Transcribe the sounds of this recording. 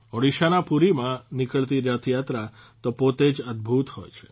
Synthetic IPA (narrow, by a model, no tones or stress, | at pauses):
ɔɽiʃanapuɾimãnikəɭt̪iɾjət̪ʰjat̪ɾa | t̪opot̪ed͡ʒəd̪̚bʱut̪hojt͡ʃʰe̥